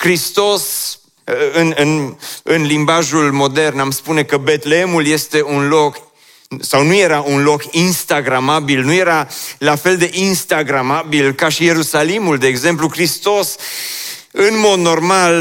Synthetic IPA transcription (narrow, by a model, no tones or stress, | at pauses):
kɾist̪o̞s | əɨnɨnɨnlimbaʒulmo̞d̪e̞rnamspune̞kəbe̞t̪leemulje̞st̪e̞unlo̞k | sawnuje̞ɾaʔunlo̞kinst̪aɡɾamabilnuje̞ɾalafe̞ld̪e̞ʔinst̪aɡɾamabilkaʃije̞ɾusalimuld̪e̞ːɡze̞mplukɾist̪o̞s | ɨnmo̞d̪no̞rmal